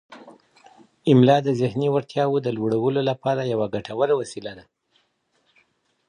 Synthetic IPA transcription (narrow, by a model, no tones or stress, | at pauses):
ɪmlɑd̪əzɪhniwaɾt̪jɑwod̪əloɽawəlolapɑɾajawaɡaʈʰawəɾawasilad̪a